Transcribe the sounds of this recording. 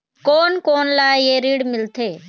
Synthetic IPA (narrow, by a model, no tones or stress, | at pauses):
koːnkoːnlaːjeɾiːɽmɪlt̪ʰeː